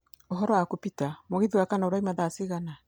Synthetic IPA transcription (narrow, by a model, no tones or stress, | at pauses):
oɦɔɾɔwakopitamoɣeðwakanaoɾaimaðasiɣana